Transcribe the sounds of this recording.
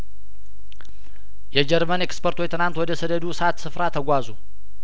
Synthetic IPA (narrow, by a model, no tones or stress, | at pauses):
jɛd͡ʒɛɾmənekspoɾt̪ʰojt̪ʰɨnant̪wɔd̪əsəd̪əd̪usat̪sɨfɾat̪ʰəɡʷazu